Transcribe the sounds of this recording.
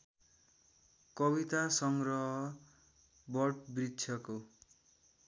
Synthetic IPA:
kʌβit̪asʌŋɡrʌɦʌ | bʌʈbritːsʰjʌko

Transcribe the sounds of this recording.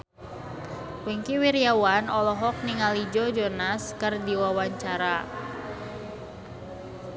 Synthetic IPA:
wiŋkiwiɾjawanɔlɔɦɔk̚niŋalid͡ʒɔd͡ʒɔnaskərdiwawaɲt͡ʃaɾa

